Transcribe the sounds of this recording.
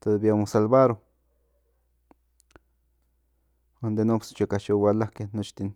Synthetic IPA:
t̪od̪bjamosalbaɾo | and̪enopst͡ʃekaʃowalakenot͡ʃt̪in

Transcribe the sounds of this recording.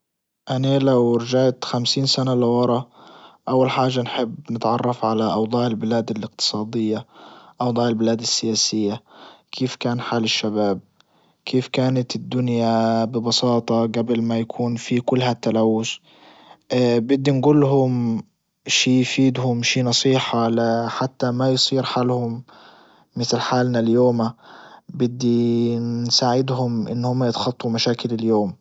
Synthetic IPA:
ʔanalawɾɪd͡ʒaːʕt̪xamsiːnsanalɪwɑɾˤɑʔawːalħaːʒːanħɪbːnɪt̪ʕɑrˤːɑfʕalaʔɑwd̪ˤɑːʕɪlbɪlaːd̪alɪq̚t̪ɨ̥sˤɑːd̪ɪjːaʔɑwd̪ˤɑːʕɪlbɪlaːd̪ɪsːɪjaːsɪjːakʰeːfkaːnħaːlɪʃːabaːb̚ | kʰeːfkaːnat̪ɪd̪ːʊnjabɪbɑsɑːt̪ˤɑɡabɪlmajakʰuːnfikʊlːhat̪ːalawːʊs | bɪd̪ːinɡuːlːɦʊm | ʃiːfiːd̪hʊmʃiːnɑsˤiːħɑlaħat̪ːamajsˤiːɾħaːlhʊmː | ɪθlħaːlnaljoːmabɪd̪ːinsaːʕɪd̪ɦʊmʔɪ̰nːhʊmːajɪt̪xɑt̪ˤːumaʃaːkɪlɪljoːm

